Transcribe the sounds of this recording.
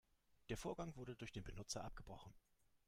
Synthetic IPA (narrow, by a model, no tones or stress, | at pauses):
d̥eːɐfoːɐɡaŋvʊɐdədʊɐçd̥eːnbənʊt͡sɐʔap̚ɡ̥əbʁɔχn̩